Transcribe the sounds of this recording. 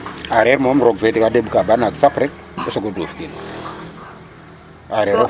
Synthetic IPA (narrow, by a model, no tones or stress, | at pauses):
aɾeɾmomɾoɡvedikadebkabanaɡsapɾɛk̚ | osoɡodofkin | aɾeɾo